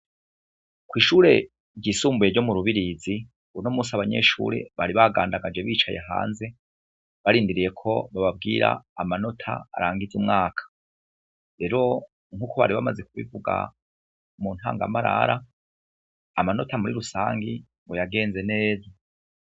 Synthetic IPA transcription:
kwiːʃuːɾe̞ | ɾɟiːsuːmbuje̞ɾɟo̞muɾuβiɾizi | unomuːsaβaɲe̞̰ːʃṵːɾe̞̰βaɾiβaɡaːndaɡad͡ʒe̞βiːt͡ʃajeɦa̰ːnze̞ | βaɾiːndiɾije̞kʰo̞βaβab̚ɡiːɾa̰amano̞tʰa̰ːɾaːŋɡizumŋaːkʰḁ | ɾe̞ɾo̞ | ŋhuːkʰoβa̰ɾiβamaze̞kuβḭvuɡa̰ | muːn̥ha̰ːŋɡa̰maɾa̰ɾa | mano̞tamuɾḭɾusaːŋɡi | ŋɡojaɡe̞ːnze̞ne̞ːza

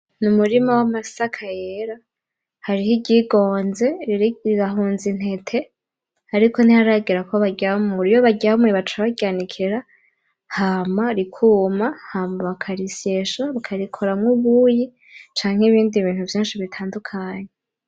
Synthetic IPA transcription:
numuɾimawamasakʰajeɾa | haɾihiɟiɡo̞ːnze̞iɾaɦuːnzin̥e̞tʰe̞ | haɾiko̞n̥ihaɾaɡiɾakoβaɟaomuɾijoβaɟaomuweβat͡ʃaβaɟianikʰiɾa | hamaɾikʰuːmahamaβakʰaɾiseʃaβakʰaɾikʰo̞ɾamŋuβuji | t͡ʃaːŋheβiːndiβiːn̥huvjiːnʃiβitʰaːndukʰaːɲe

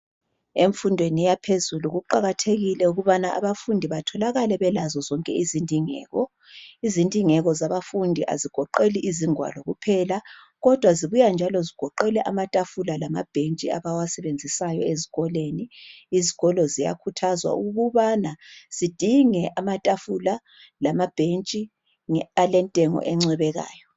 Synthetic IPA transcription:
eɱfundʱwenijapʰezuluɣuǃaɣatʰeɣilɛuɣuβanaʔa̰βafundʱiβatʰɔlaɣalɛβɛlazɔzɔŋkʼɛizindʱiŋɛ̰ːɣɔ | izindʱiŋɛɣɔzaβafundʱiʔa̰ziɡ̥ʱɔǃeliʔiziŋwa̰lɔɣupʰɛla | ɣɔd̥ʱwaziβujand͡ʒʱalɔziɡ̥ʱɔǃɛlɛʔamatʼafulalama̰b̥ʱent͡ʃʼia̰βawasɛβend͡zʱisajɔezi̥ɣɔleniːziɣɔlɔzija̰kʰutʰazwa̰uɣuβanaz̥id̥ʱiŋɛʔamatʼafula | lamab̥ʱent͡ʃʼi | alɛntʼɛŋɔ̰ʔɛŋ͡ǀɛβɛɣa̰ːjɔ

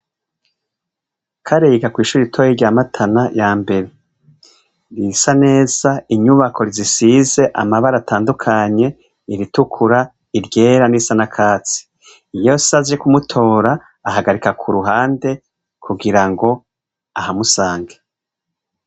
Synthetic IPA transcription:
kʰaɾeːɡakwiːʃuɾiitʰoːjeɾɟaːmatʰanajaːmbe̞ɾe̞ | ɾisane̞ːz̥aiɲuβakʰo̞ɾizisiːze̞ʔamaβaɾatʰaːndukʰaɲe̞ | iɾitukʰuɾa | iɾɟe̞ːɾanisanakʰaːt͡si̥ | ijosazekumutʰo̞ːɾaː | ɦaɡaɾikakʰuɾuɦaːnde̞ | kʰuɡiɾaŋɡo̞ | ahamusaːŋɡḁ

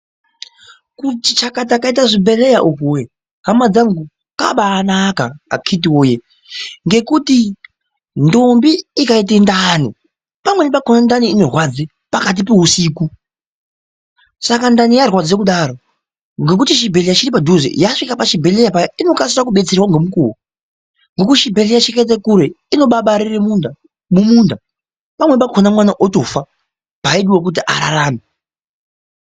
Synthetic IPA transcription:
kutit͡ʃakat̬akait̬aʐibelejaʔukuwe | ɦamad͡zaŋɡu | ka̰ɓaːnaka̰ːkʰit̬iwoje | ŋɡe̞kuti | ndombiːkait̬endani | pamwenipakonandaniino̞rwad͡zi | pakat̬ipeɦusiːku | sakandanijarwad͡zekuɗaɾo | ŋɡe̞kutiʃibʱelijat͡ʃiɾipadʱuzḭjaʂikapaʃibʱe̞lejapajino̞kasisakuɓe̞t͡serwaŋɡemukuwo | ŋɡo̞k̬utʃibʱe̞lejaʃeket̬ekuɾeino̞ɓaɓaɾiremunda | mumunda | pamwepakʰonamwanaʔoto̞fa | paiɗiwak̬ut̬iʔa̰ɾa̰ɾaːme

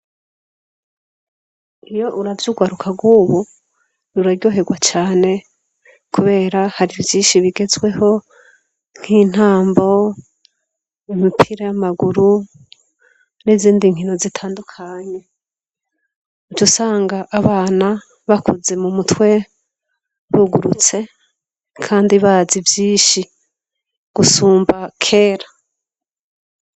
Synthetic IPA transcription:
ijo̞ʔuɾavjuɡwaɾukʰaɡwuːβu | nuɾaɾjo̞ːɦe̞ɡwat͡ʃaːne̞ | kuβe̞ːɾahaɾivjiːnʃiβiɡe̞zɡwe̞ho̞ | ŋ̥hin̥haːmbo̞ | imipʰiɾajamaɡuɾu | niziːndiŋhino̞zitʰaːndukʰaɲe̞ | ut͡ʃusaːŋɡaʔːβaːna | βakuze̞mumutwe̞ | βuɡuɾut͡se̞ | kʰaːndiβazivjiːnʃi | ɡ̥usuːmbakʰe̞ːɾa

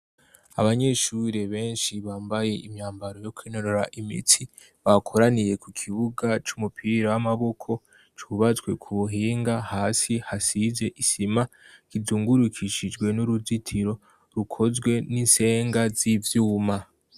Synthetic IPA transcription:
a̰βaɲe̞ʃuɾe̞βe̞ːnʃiβaːmbaje̞ʔimɲaːmbaɾo̞jo̞kwinoɾoɾaʔimḭtʰi | βakʰoɾanije̞kukʰiβuɡat͡ʃumupʰiɾawamaβo̞kʰo̞ | t͡ʃuβazɡwe̞kʰuβuɦiːŋɡahaːsihasize̞ʔisima | kizuːŋɡuɾukʰiʃid͡ʒɡwe̞nuɾuzitʰiɾo̞ | ɾukʰo̞zɡwe̞ninse̞ːŋɡazivjuːma

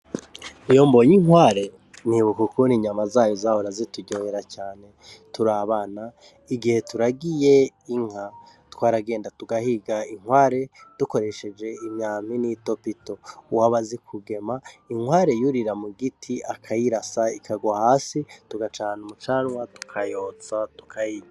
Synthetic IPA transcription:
ijo̞mbojiŋwaːɾe̞ | niβukukuniɲamazaːjozahoɾazituɟoheɾacaːne̞ | tuɾaβana | iɡihe̞tuɾaɡije̞iŋ̥ha | twaːɾaɡe̞ːndatuɡahiɡaiŋwaːɾe̞d̥uko̞ɾe̞ʃe̞d͡ʒe̞imɲaːminito̞pito̞waβazikʰuɡe̞maiŋwaːɾe̞juɾiɾamuɡitʰiʔakʰajiɾasaikʰaɡwahaːsituɡat͡ʃaːnumut͡ʃaːnwatu̥kʰajoːt͡satu̥kʰajiːɲa

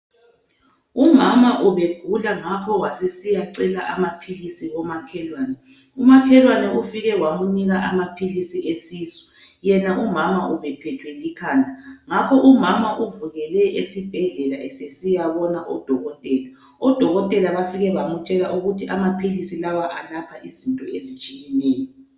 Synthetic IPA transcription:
umamaʔuβeɡ̥ʱulaŋakʰɔwasesijaǀɛlaʔamapʰilisiɣɔmakʰɛlwaːnɛ | umakʰɛlwanɛʔufiɣɛwamuniɣaʔamapʰilisiʔesiːzɔ̥jɛnaʔumamaʔuβɛpʰɛtʰwɛlikʰaːndʱaŋakʰɔʔumamaʔuvuɣɛlɛʔesib̥ʱɛɮɛlaʔɛsesijaβɔnaʔɔd̥ʱɔɣɔtʼɛːla | ɔd̥ʱɔɣɔtʼɛlaβafiɣɛβamut͡ʃʼɛlaʔuɣutʰiʔamapʰilisilawaʔalapʰaʔizintʼɔezit͡ʃʼijɛnɛːjɔ

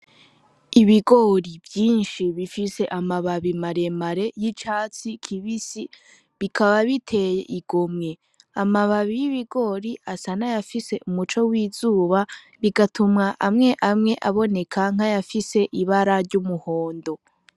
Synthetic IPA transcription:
iβiɡo̞ɾivjiːnʃiβifise̞ʔamaβaβimaɾe̞maɾe̞jit͡ʃaːt͡sikʰiβisi | βikʰaβaβitʰe̞jḛʔiɡ̥omŋe̞ | amaβaβijiβiɡo̞ːɾiʔasanajafise̞ʔumut͡ʃo̞wiːzuːβa | βiɡatʰumŋaʔamŋe̞ʔamŋe̞ʔaβo̞ne̞kʰaŋ̥ajafise̞ʔiβaɾaɾɟumuho̞ːndo̞

